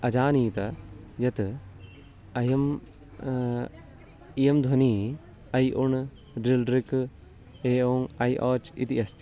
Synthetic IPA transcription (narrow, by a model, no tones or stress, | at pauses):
ɐd͡ʒaːniːt̪ɐ | jɐt̪ | ɐjɐm | ijɐmd̪ʱwɐniː | ɐjʔuɳ | ɖilɾik | eːoːŋɐjʔɔːt͡ʃḭt̪iɐst̪